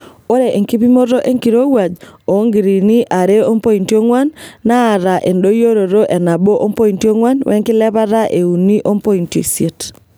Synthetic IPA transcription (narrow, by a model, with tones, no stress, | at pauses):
o˦ɾe˨ʔe˨ŋki˦pi˦mo˦ɾo˦ʔe˦ŋki˨ɾo˦wa˨d͡ʒo˨˦ŋɡi˨ɾi˨ni˦ʔa˨ɾe˦o˦mpo˦i˨nti˦o˦ŋwa˦nːaː˦˨ɾa˨ʔe˨ndo˦jo˦ɾo˨ɾo˦ʔɛ˨na˨bo˦ʔo˦mpo˦i˨nti˦o˦ŋwa˦nwʔɛ̰˦ŋkɪ˦lɛ˦βa˦ɾa˦ʔe˨u˨ni˦ʔo˦mpo˦i˨nto̰˨sje˨t